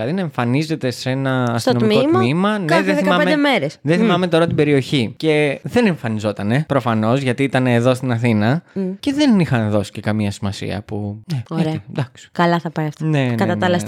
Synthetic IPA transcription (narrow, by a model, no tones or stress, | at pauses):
lɐðinɐeɱfɐnize̞t̪e̞se̞nɐːst̪onoimkotmmimɐneðeiɐmɐemed̪emeɾesðeθθimɐme̞t̪o̞ɾɐt̪ibe̞ɾio̞çice̞ðe̞ne̞ɱfɐnizo̞t̪ɐne̞pɾo̞fɐno̞zʝɐt̪iit̪ɐne̞ːðo̞st̪inɐθinɐce̞ðe̞nixɐnðo̞si̥ce̞kɐmiɐsimɐsḭɐ̰puneoid̪ɐksi̥kɐlɐθɐpɐjɐft̪nenkɐt̪ɐɐlɐs